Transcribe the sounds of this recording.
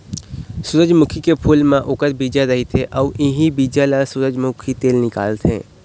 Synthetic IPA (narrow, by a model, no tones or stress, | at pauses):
sʊɾəd͡ʒmʊkʰikepʰuːlmẽʔʊkəɾbiːd͡ʒaɾɐɦit̪ʰeʔɔːʔɪɦibiːd͡ʒalasʊɾəd͡ʒmʊkʰit̪eːlnɪka̰ːlt̪ɦɛ̰̃ː